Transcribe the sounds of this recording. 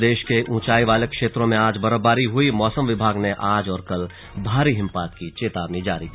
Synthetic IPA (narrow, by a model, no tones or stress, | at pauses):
d̪eːʃkeʔũːt͡ʃaːiʋaːlekʃeːt̪ɾõmẽaːd͡ʒbɐɾəbaːɾiɦʊimɔːsəmʋɪbʱaːɡneʔaːd͡ʒɔːɾkɐl | bʱaːɾiɦɪ̃mpaːt̪kit͡ʃeːt̪aːʋnĩd͡ʒa̰ːɾik